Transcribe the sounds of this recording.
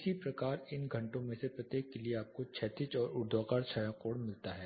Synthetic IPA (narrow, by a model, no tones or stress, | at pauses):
sipɾɐkaːɾɪnɡʱɐ̃ɳʈõmẽsepɾɐt̪eːkːelieaːp̚kot͡ʃʰɛːt̪ɪt͡ʃɔːɾʊɾd̪ʱaːkaːɾt͡ʃʰaːjãkoːɽmɪlt̪aɦɛː